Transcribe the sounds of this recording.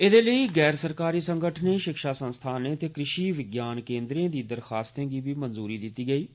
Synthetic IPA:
ɪd̪eːləiːɡɛːɾsəɾkaːɾiːsə̃ŋɡəʈʰnẽːʃɪkʃaːsə̃nst̪ʰaːneːət̪eːkɾɪʃiːʋɪɡjaːnkẽːnd̪ɾẽːd̪iːd̪əɾxaːst̪ẽːɡiːbiːmənzuːɾiːd̪ɪt̪ːiːɡəiː

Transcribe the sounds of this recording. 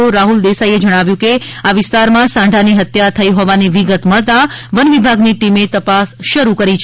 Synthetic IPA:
oɾaɦuld̪esaied͡ʒəɽ̃aʋjũkeaʋɪst̪aɾmãsãɳɖʱaniɦət̪jat̪ʰəiɦɔʋaniʋiɡət̪məɭt̪aʋənʋibʱaɡniʈimet̪əpasʃəɾukəɾit͡ʃʰ

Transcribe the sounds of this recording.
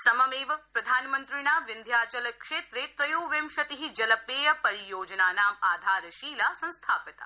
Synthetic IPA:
sɐmɐmeːʋɐpɾɐd̪ʱaːnmənt̪ɾinaːʋɪnd̪ʱjaːt͡ʃɐlɐkʃeːt̪ɾet̪ɾɐjoːʋemʃɐt̪iɦid͡ʒɐlɐpeːjɐpɐɾijoːd͡ʒnaːnaːmaːd̪ʱaːɾɐʃiːlasɐ̃nst̪ʰaːpɪt̪a̰

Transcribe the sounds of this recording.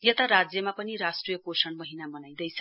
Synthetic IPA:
jet̪aɾad͡zjʌmapʌniɾasʈrijʌkosʌɳmʌɦinamʌnajd̪ʌjt͡sʰʌ

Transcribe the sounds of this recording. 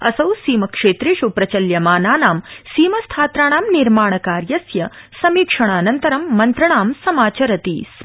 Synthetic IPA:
ɐ̰sɐwsiːmɐkʂeːt̪ɾiʃupɾɐt͡ʃɐljɐmaːnaːnaːmsiːmɐst̪ʰaːt̪ɾaːɳaːmniɾmaːɳ̃ɐkaːɾjɐsjɐsɐmiːkʂɐɳ̃aːnɐnt̪ɐɾɐmːɐnt̪ɾɐɳaːmsɐmaːt͡ʃɐɾɐt̪ḭːs

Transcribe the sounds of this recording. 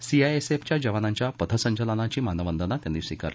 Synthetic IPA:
siaeseft͡ɕjad͡ʑəʋanaɲt͡ɕjapət̪ʰəsə̃ɲt͡ɕələnat͡ɕiːmanəʋənd̪ənat̪jãd̪isikə̰ɾ

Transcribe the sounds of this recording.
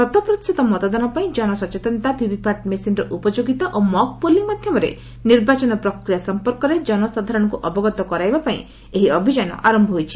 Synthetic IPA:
sɔt̪ɔpɾɔt̪i̥sit̪ɔmɔt̪ɔd̪anɔpaĩd͡ʒɔnɔsɔt͡ʃet̪ɔnt̪abʱibipaɾʈmesinɾɔʔupɔd͡ʒoɡit̪aʔomɔk̚poliŋmad̪ʱjɔmɔɾḛ | niɾbat͡ʃɔnɔpɾɔkɾijasɔmpɔɾkɔɾed͡ʒɔnɔsad̪ʱaɾɔɽ̃ɔkuʔɔbɔɡɔt̪ɔkɔɾajbapaḭ̃ | eɦiɔbʱid͡ʒanɔ̰ʔaɾɔmbʱɔɦojt͡ʃʰi̥

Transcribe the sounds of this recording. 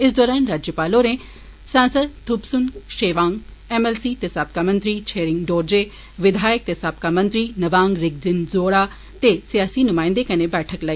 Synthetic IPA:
ɪs̬d̪ɔːɾaːnɾaːd͡ʒjəpaːloɾẽː | sãːnsəd̪t̪ʰʊbsʊnʃeːʋãːŋɡ | ɛmɛːlsiːt̪esaːp̚kamə̃nt̪ɾiːt͡ʃʰeːɾɪ̃ŋɡɖoːɾd͡ʒeː | ʋɪd̪ʱaːjək̚t̪esaːp̚kamɐ̃nt̪ɾiːnɐʋãːŋɡɾɪɡ̚d͡ʒɪnzoːɽaː | t̪esijaːsiːnʊmãːɪ̃nd̪ekɐnẽbɛːʈʰəklaːiː

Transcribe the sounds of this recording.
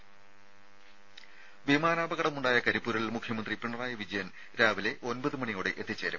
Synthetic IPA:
ʋimaːnaːbɐɣɐɽɐmuɳɖaːjɐkɐɾipːuːɾɐlilmukʰjɐmɐnd̪ripiɳːɐraːjɐʋid͡ʑɐjɐn | ɾaːʋile̞ʔo̞nbɐðumɐɳijoːɽeʔet̪ːit͡ɕːeːɾɐm

